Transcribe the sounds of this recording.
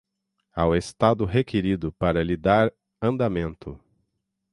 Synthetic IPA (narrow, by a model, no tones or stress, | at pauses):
a̰west̪ad̪ʊɦekʰeɾid̪ʊpaɾɐlid̪aɾ | ɐ̃nd̪amẽnt̪ʊ